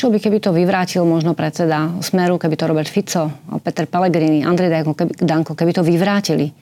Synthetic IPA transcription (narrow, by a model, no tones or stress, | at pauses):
ʃlɔbikɛbit̪ɔʋiʋɾaːcilmɔʒnɔpɾɛt̪t͡sɛd̪asmɛɾukɛbit̪ɔɾɔbɛɾt̪fit͡sɔɔ̰pɛt̪ɛɾpɛlɛɡɾiːnia̰nd̪ɾɛjd̪aɔkɛid̪aŋkɔkɛbit̪ɔʋiʋɾaːcili